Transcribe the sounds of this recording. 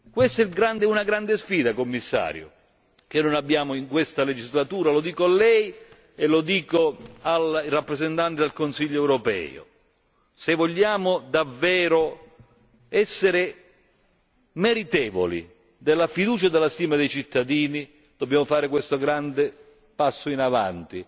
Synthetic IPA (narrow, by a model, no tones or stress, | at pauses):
kwest̪ilɡɾand̪ɛunaɡɾand̪ɪsfiːd̪akomːisːa̰ːɾjʊ̰ | kenːʊnabːjaːmʊiŋkwest̪aled͡ʒizlat̪uːɾalod̪iːkoalːɛj | elʊd̪iːkoalirapːɾezent̪ant̪ɪd̪elkonsiʎːoɛwɾopɛ̰ːʊ̰ | sevɔʎːaːmʊd̪avːɛːɾʊ | ɛsːɪɾɪ | mɛɾit̪ɛːvo̰lḭ | d̪ɪlːafid̪uːt͡ʃad̪elːast̪iːmad̪ejt͡ʃit̪ʰːad̪iːni | d̪̥objaːmʊfaːɾɪkwest̪ʊɡɾand̪ɪ | pasːʊinava̰nt̪i